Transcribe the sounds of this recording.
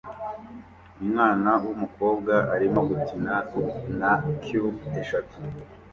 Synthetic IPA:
umŋaːnawumuko̞ːb̚ɡaaɾimoɡutinanakʰiɾueʃatu

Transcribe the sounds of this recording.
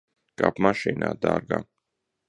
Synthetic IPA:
kʼapʰmaʃinad̪aɾɡa

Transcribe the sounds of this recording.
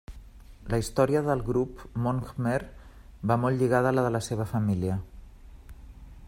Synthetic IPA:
ləist̪ɔɾiəðəlˠɣɾupmoŋɡmer | bamolˠʎiɣað̞ələðələseβ̞əfəmiliə

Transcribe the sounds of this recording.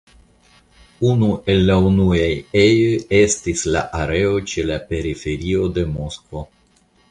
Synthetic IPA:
unue̞lːaunuajejoje̞stisla̰ʔaɾe̞o̞t͡ʃe̞lape̞ɾife̞ɾio̞de̞mo̞skvo̞

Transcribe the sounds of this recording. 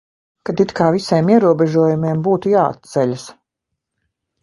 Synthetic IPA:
kat̪it̪kaːvisiɛːmiɛɾuɔbɛʒuɔjumiɛmbuːt̪ujaːa̰t̪̚t̪sɛʎʲas

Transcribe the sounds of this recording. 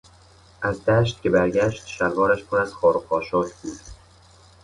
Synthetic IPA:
ʔæzd̪æːʃt̪̚cʰʲe̞bæɾɟæʃt̪ʃælvɒːɾæʃpʰonæz̥xɒːɾoqʰɒːʃɒːcʰbuːd̪

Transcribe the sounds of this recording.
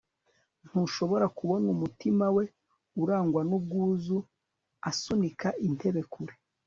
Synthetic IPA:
n̥huʃo̞βo̞ɾakuβo̞numutimawe̞ | uɾaːŋɡwanub̚ɡuːzu | asunikaʔin̥te̞βe̞kʰuɾe

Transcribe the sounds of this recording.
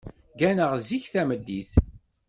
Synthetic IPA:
ɡænəʁziçθæməd̪ːiθ

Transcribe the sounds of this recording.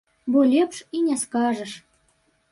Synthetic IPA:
bolʲepʃinʲæskɑʒɤ̆ʃ

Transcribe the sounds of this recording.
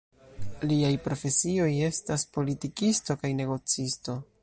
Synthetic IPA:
liajpɾo̞fe̞sio̞je̞staspo̞litikisto̞kajne̞ɡo̞t͡sisto̞

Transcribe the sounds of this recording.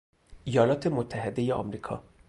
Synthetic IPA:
ʔijɒːlɒːt̪ʰe̞mot̪ʰːæɦed̪e̞jeɒ̰ːmɾiːkʰɒ̰ː

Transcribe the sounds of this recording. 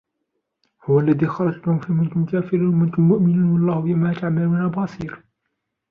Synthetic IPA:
hʊwalːaðiːxɑɾˤɑt̪lahʊmfiːmʊnt̪ʊmkaːfɪɾiːnmʊnt̪ʊmːʊʔmɪnuːnwɑlˤːɑːhjamat̪aʕmaluːnabɑsˤiːɾ

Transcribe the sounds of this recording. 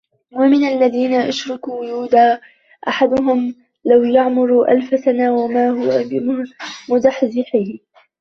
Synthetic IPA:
wamɪnalːaðiːnaʔaʃɾˤɑkuːjuːd̪aː | ʔaħad̪ʊɦʊm | lawjaʕmʊɾuːʔa̰lfasanaːwamaːɦʊwabɪmʊd̪aħzɪħɪː

